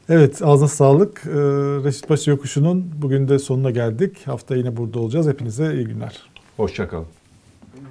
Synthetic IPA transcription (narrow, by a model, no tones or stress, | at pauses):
evɛt̪ʰaznasaːlˠɯkɯɾe̞ʃi̥t̪̚baʃajo̞kʰuʃununbuɟynd̪ɛso̞nunaɟælʲd̪ichaft̪ʰajinɛbuɾd̪ao̞lˠud͡ʒaːzhe̞pʰinizɛijiɟynlʲæ̰ɾ̥ho̞ʃt͡ʃakʰa̰lˠɯm